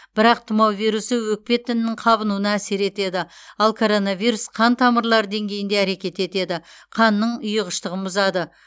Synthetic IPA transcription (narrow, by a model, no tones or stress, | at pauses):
b̥ɪɾɑq̚t̪ʰʊmɑwvijɾusəwɵk̚pe̞t̪ʰːɪnɪːɪŋqʰɑβənuənɑæse̞ɾe̞t̪e̞d̪ɪɑlˠkʰo̞ɾo̞nɑvijɾusqʰɑnt̪ʰɑməɾlˠɑɾd̪e̞ŋɡʲejɪnd̪eæɾe̞kʲe̞t̪e̞t̪e̞d̪ɪqʰɑnːəɴʊjəʁəʃt̪əʁənbʊzɑd̪ə